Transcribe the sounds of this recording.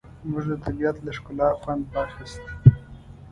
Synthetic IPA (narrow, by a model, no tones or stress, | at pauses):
mʊʒd̪ət̪ʰabijat̪laʂkʊlɑxwand̪waːxɪst̪